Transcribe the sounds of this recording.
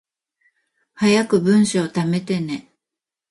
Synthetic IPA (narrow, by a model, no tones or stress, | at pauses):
hajakɯ̟bɯ̟̃ɰ̃ɕoot̪ame̞t̪e̞ne̞